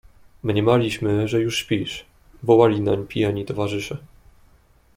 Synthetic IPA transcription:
mɲɛmalʲiɕmɘʐɛjuʂɕpʲiʂ | vɔwalʲinaɲpʲijaɲit̪ɔvaʐɘʂɛ

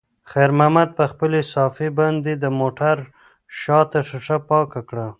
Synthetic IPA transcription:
xaɾmamad̪̚pəxpəlesɑfeband̪ed̪əmoʈaɾ | ʃɑt̪aʂəʂapɑkakɽa

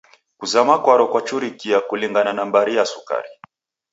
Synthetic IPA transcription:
kuzamakwaɾɔkwat͡ʃuɾikiakuliŋɡananambaɾijasuka̰ɾi

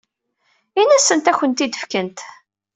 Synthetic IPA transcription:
inæsənt̪æçənt̪id̪əfkənt̪

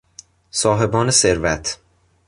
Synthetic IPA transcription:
sɒːɦe̞bɒːneseɾvæt̪ʰ

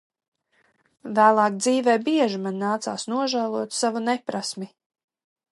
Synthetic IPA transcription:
væːlˠɑːk̚d̪ziːvɛːbiɛʒimanːaːt̪sa̰ːsnuɔʒæːlˠuɔt̪savunɛpɾasmi

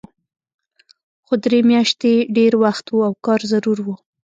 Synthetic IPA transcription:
xod̪ɾemjɑʃt̪eɖeɾwaxt̪wuawkɑɾzaɾuɾwu

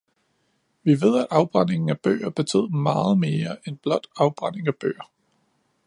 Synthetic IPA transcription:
ʋiʋe̝ð̞̰ˠæd̥ɑ̈ʊb̥ʁan̰e̝ŋn̩æb̥ø̰ːɐb̥e̝t͡sʰe̝ð̞̰ˠmɑ̈ːð̩ˠme̝ːɐenb̥lɒ̽d̥ɑ̈ʊb̥ʁɑn̰e̝ŋæb̥ø̰ːɐ

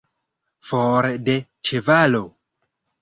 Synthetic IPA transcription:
foɾdet͡ʃevalo

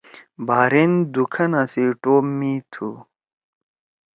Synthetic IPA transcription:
baːɾend̪ukʰɐnasiʈoːmːit̪ʰu

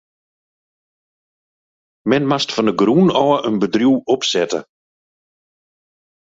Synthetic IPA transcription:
mɛnmastfɔndəɡrunɔːəʔənbədrjuwɔpsɛtə̰

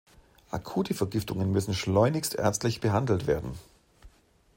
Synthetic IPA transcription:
ʔa̰kʰuːtʰəfɛɐɡɪftʊŋənmʏsn̩ʃlɔʏnɪçstʔɛ̰ɐt͡stlɪçb̥əɦandl̩tv̥ḛːɐdn̩

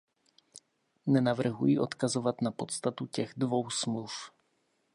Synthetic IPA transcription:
nɛnavr̩ɦujiʔo̞t̪kazovat̪napo̞t̪st̪at̪ucɛɣdvo̞wsmluf

